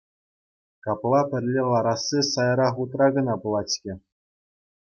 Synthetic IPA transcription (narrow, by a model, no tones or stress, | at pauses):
kɑplˠɑpʲɘ̆rʲlʲelˠɑɾɑsːisɑjɾɑχut̪rɑɡɤ̆nɑpɤ̆lˠɑt͡ɕʲkʲɘ̆